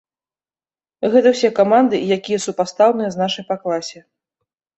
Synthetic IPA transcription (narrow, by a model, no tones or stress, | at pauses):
ɣɛt̪ɐwsʲɛkamand̪ɨjakʲijɐsupast̪awnɨjɛznaʂɐjpaklˠasʲɛ